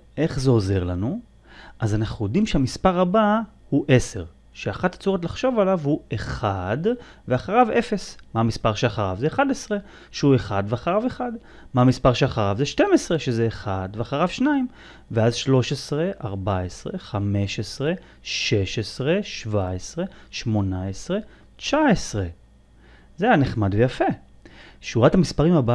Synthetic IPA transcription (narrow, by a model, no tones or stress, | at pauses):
ʔe̞χzeo̞ze̞ʁlanu | ʔazanaχnujo̞dimʃeamispaʁaba | huʔe̞se̞ʁ | ʃeaχathat͡soʁot̪laχʃo̞valavhueχadveaχaʁave̞fe̞smamispaʁʃeaχaʁavzeːχadesʁe | ʃeue̞χad̪veaχaʁaveχad | mamispaʁʃeaχaʁavzeʃte̞mesʁe̞ʃezeːχadveaχaʁavʃnaim | veazʃlo̞ʃesʁe̞ʔaʁbaesʁḛχame̞ʃesʁe̞ | ʃe̞ʃesʁe̞ʃvaesʁe̞ʃmo̞naesʁe̞ | t͡ʃaesʁe̞ | zeajaneχmad̪vejafe | ʃuʁathamispaʁimhaba